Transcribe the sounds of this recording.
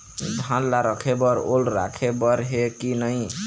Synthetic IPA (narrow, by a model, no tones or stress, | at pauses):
d͡ʒʱãnlaɾəkʰebəɾolɾa̰kʰebəɾɦekinəj